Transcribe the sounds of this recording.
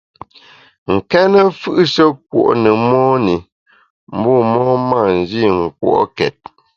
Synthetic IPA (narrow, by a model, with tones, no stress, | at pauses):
ŋ̩˨kɛ˦nə˦fɯ˦ʔʃə˦k̚wo̰˨ʔnə˨mɔ˦ni˨ | m̩˦bɔ˦˨mɔ˦ma˦˨n̩˨d͡ʒi˦˨ŋ̩˨kwo̰˦ʔkɛ̰˨t̚